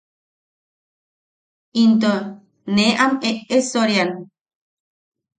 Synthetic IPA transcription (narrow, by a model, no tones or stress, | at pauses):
int̪o | neʔameʔesoɾjan